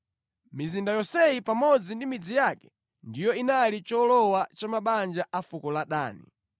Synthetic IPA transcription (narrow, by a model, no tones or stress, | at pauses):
mizindajɔsɛjipamɔd͡zindimid͡zijakɛ̥ | ndijɔinalit͡ʃɔlɔwat͡ʃamaɓand͡ʒaʔafukɔlaɗa̰ːnḭ